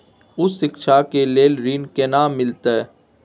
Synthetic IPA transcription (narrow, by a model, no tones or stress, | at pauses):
ʊsːɪkʃakeleːlɾiːnkenaːmːɪlt̪e